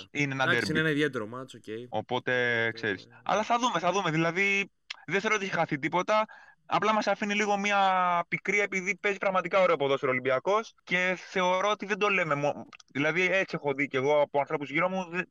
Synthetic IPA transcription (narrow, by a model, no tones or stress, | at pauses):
inenɐd̪eɾinenɐiðjet̪eɾomɐsocejo̞̰po̞t̪e̞kse̞ɾisɐ̰lɐθɐðume̞θɐðume̞ðilɐði | ðeθeɾot̪içexɐθit̪̬ipo̞t̪ɐ | ɐ̰plɐmɐsɐfiniliɣo̞mɐpikɾiɐepiðipe̞zipɾɐɣmɐt̪ikɐo̞ɾe̞oɐpoðoseɾo̞limbiɐko̞sce̞θe̞o̞ɾo̞ot̪iðe̞nd̪o̞le̞me̞mðilɐðie̞t͡sie̞xo̞ðice̞ɣo̞ɐpo̞ɐnθɾo̞puzʝiɾo̞muðe